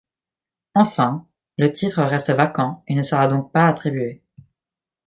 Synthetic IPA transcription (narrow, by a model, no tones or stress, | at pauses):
ɑ̃fɛ̃ | lət̪ʰit̪χəʁɛst̪əvakɑ̃enəsəʁad̪ɔ̃k̚paat̪χibɥe